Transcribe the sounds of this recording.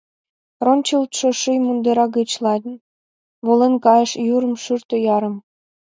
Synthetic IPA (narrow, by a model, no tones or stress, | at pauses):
ronʲt͡ɕəlt̪ʃŏʃɨjmund̪əɾɑɡət͡ɕlɑdn | βolenkɑjəʃjuɾə̆mʃyrt̪ə̆jɑɾə̆m